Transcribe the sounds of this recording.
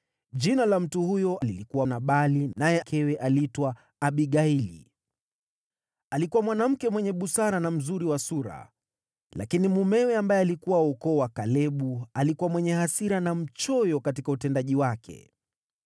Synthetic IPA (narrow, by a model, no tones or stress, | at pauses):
ʄinalam̩tuhujɔʔalilikuwanaɓalinajɛkʰɛwɛʔalitwa | aɓiɠailḭ | alikuwamwanam̩kɛmwɛɲɛɓusaɾanam̩zuɾiwasuɾa̰ | la̰kinimumɛwɛambajɛalikuwaukɔːwakalɛɓualikuwamwɛɲɛhasiɾanam̩t͡ʃɔjɔkatikautɛndaʄiwakʰɛ̰